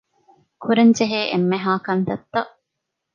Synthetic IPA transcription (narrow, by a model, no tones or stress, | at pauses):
kʰuɾend͡ʒeɦeːʔemːeɦaːkɐnt̪ɐt̪ːɐʔ